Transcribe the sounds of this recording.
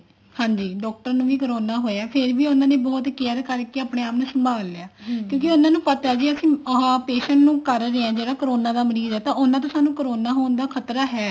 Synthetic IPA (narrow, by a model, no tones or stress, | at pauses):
hãːɲd͡ʒiːɖɔːk̚ʈəɾnũːʋiːkəɾoːnaːɦoːjaːpʰɪɾʋiːʊnãːneːbɔːt̪kiəkəɾkeaːpneːaːpnũːsəmbʱaːlːeaːkjõːkɪʊnãːnũːpət̪aːd͡ʒiːəsĩːɦãːpeːʃəɳnũːkəɾːeːãːd͡ʒeːɽaːkəɾoːnãːd̪aːməɾiːzɛːt̪ãːʔʊnãːt̪õːsaːnũːkəɾoːnaːɦoːnd̪aːkʰət̪ɾaːɦɛː